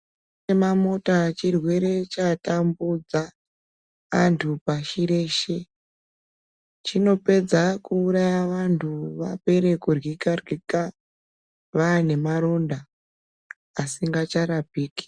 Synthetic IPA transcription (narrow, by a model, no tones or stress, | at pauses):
emamo̞tat͡ʃirwe̞ɾe̞t͡ʃatambud͡za | antʰupaʃiɾe̞ːʃe̞ | t͡ʃino̞pe̞d͡zakuːɾajaʋantʰuʋape̞ɾekurwikarwika | ʋane̞maɾo̞nda | siŋɡat͡ʃaɾapiːki̥